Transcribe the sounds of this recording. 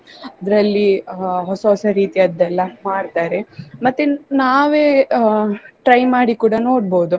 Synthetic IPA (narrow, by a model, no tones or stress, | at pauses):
ɐd̪ɐɾɐlːiɦɔsɐɦɔsɐɾiːt̪iɐd̪ːɛlːɐmaːɽt̪aːɾe̞mɐt̪ːenaːʋeː | ʈɾɐjmaːɽikuːɽɐno̞ːɽboːd̪u